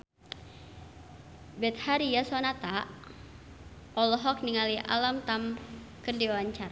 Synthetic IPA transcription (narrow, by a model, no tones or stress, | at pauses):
bɛt̪̚haɾiasɔnat̪aʔ | ɔlɔɦɔk̚niŋaliʔa̰lamt̪am | kɨrdiɔwaɲt͡ʃar